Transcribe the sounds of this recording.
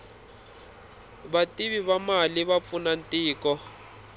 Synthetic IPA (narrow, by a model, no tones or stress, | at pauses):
batʼiβiβamalɪβap̪funan̩tʼɪːkʼɔ